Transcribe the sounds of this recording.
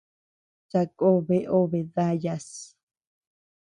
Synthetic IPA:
t͡ʃa˧kʼo˦βe˧ʔo˦βe˨ða˦ja˧s

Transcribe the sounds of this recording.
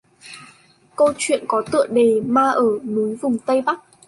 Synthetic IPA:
kə˧wt͡ɕwḭ˧˨ənkɔ˨˦t̪ɨ̰˧˨əŋɗe˨˩maː˧ʔəː˧˩nu˨˦jvʊ˨˩ŋ͡mt̪ə˧jɓa˦˥k̚

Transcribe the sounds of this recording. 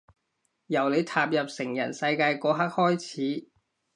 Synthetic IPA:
jɐ˨˩wle˨˧jt̪ʰaː˨p̚jɐ˨p̚sɪ˨˩ŋjɐ̰˨˩nsɐ˧jkaː˧jkɔː˨˧ɦɐ˥k̚hɔː˥jt͡sʰiː˨˥

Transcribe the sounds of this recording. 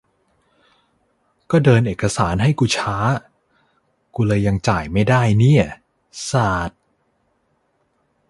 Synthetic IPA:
kɔː˥˩dɤː˧nʔeː˨˩kːa˧saː˩˦nɦa˥˩jkuː˧t͡ɕʰaː˦˥ | kuː˧lɤː˧ja˧ŋt͡ɕaː˨˩jma˥˩jdaː˥˩jni˥˩ɐ | saː˨˩t̪̚

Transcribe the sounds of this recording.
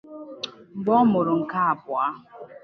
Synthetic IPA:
m̩˨bɔ˦mʊ˨ɾʊ˨ŋ̩˨ka˦a˨pʊ˨a˦

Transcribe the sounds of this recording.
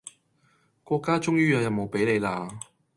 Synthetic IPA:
kʷɔː˧kːaː˥t͡ʃʊ˥ŋjyː˥jɐ˨˧jɐ˨mmo˨wpe˨˥jle˨˧jlaː˧

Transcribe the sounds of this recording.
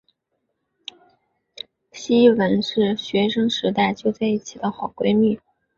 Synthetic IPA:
ɕi˥wə˧˥nʂɻ̩˥˩ɕɥɛ˧˥ʂɤ˥ŋʂɻ̩˧˥t̪a˥˩ɪt͡ɕjo˥˧ʊt͡sa˥˧ɪi˥˩t͡ɕʰi˨˩d̪ə˦xɑ˨˩ʊkwe˥ɪmy˥˩

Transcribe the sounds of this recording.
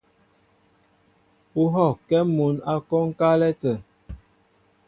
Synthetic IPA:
u˦ɦɔ˦˨kɛ˦mu˨˦na˦kɔ˦ŋ̩˦ka˦lɛ˦tə˨

